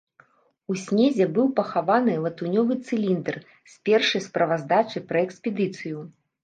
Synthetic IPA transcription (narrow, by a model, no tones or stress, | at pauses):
usʲnʲezʲɛbɨwpɐxavanɨlˠɐt̪unʲɔvɨt̪sɨlʲind̪ɛr | sʲpʲɛrʂɐjspɾɐvazd̪at͡ʂɨpɾɐɛksʲpʲɛd̪ɨt̪sɨju